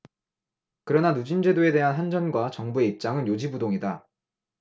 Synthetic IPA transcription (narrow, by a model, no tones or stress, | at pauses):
kɯɾʌnanud͡ʑind͡ʑwe̞doe̞de̞ɦanɦand͡ʑʌnɡwat͡ɕʌŋbue̞ip̚t͡ɕ͈aŋɯnjod͡ʑibudoŋida